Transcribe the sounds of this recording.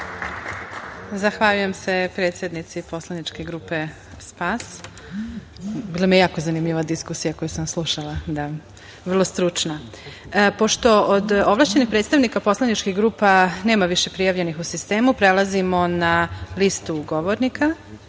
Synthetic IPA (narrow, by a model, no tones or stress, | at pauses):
zaxʋaʎuje̞msepɾet̪sjed̪nit̪sipo̞slˠanit͡ʃkeɡɾuːpe̞ | spaːs | biːlˠamijejaːko̞zanimʎiʋad̪iskusijako̞jusamslˠuʃalˠad̪a | ʋr̩lˠo̞st̪ɾut͡ʂna | po̞ʃt̪o̞od̪oʋlˠaʃt͡ɕe̞nixpɾet̪st̪aʋnikapo̞slˠanit͡ʃkiɣɡɾuːpane̞ːmaʋiʃe̞pɾijaʋʎe̞nixusist̪e̞ːmupɾelazimo̞nalist̪uɡoʋoɾnika